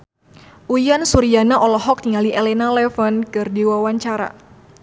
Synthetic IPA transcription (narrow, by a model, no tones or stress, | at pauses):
ʔujansuɾianaʔɔlɔɦɔk̚niŋaliʔɛlɛnalɛfənkɨrdiwawaɲt͡ʃaɾa̰